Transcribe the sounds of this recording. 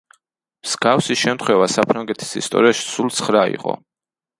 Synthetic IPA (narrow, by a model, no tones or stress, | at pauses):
mz̥ɡafsiʃɛmt̪ʰχwɛvasapʰɾaŋɡɛt̪ʰi̥sḭst̪ʼɔ̰ɾiaʃi̥sulˠt̪sʰχɾaḭqʼɔ̰